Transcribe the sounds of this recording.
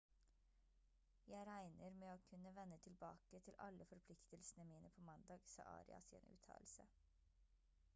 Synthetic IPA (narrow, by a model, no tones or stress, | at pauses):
jæɪɾæɪnəɾmeːoːkʰʉnəʋɛnːət̪ʰɪlbɑːkət̪ʰɪlʔɑ̰ləfɔɾpʰlɪkt̪əlsnəmiːnʔəpʰoːmɑnd̪ɑːɡsɑ̰ːʔɑ̰ːɾɪ̰ɑ̰sḛːnʉ̰ːt̪ʰɑ̰ːlsə̰